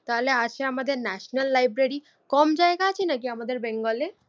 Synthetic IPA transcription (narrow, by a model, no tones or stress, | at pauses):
t̪aɦoleaʃʰeamad̪eɾnɛʃnalːajbɾeɾi | kɔmd͡ʑaeɡaat͡ɕʰenak̬iamad̪eɾbeŋɡɔle